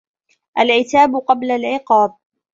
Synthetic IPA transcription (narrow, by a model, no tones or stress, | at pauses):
ʔalʕɪt̪aːbʊqɑblalʕɪqɑːb̚